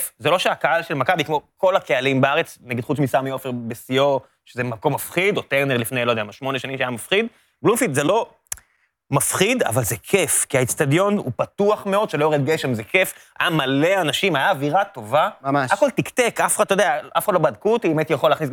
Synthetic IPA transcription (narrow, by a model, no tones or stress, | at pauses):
fzelo̞ʃeakaalʃelmakabikmo̞ko̞lakealimbeaʁet͡snaɡid̪χut͡smisamiofeʁbesio̞ | ʃezemako̞mːafχid̪ot̪eʁneʁlifne̞jlod̪eamaʃmoneʃanimʃeajamafχid̪ | blumfit̪zelo̞ | mafχid̪a̰valzekʰefkiait͡st̪ad̪jo̞nṵpat̪uaχme̞o̞d̪ʃelojoʁed̪ɡeʃemzekefa̰jamale̞anaʃimajaːviʁat̪o̞vaaako̞ltikt̪ekafχad̪t̪ojdeaʔafχad̪lobad̪kut̪iemet̪jaχolaːχnis